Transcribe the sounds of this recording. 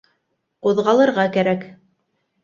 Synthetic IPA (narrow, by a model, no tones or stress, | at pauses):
ŏðʁɑlˠɤ̆ɾʁɑkæɾæk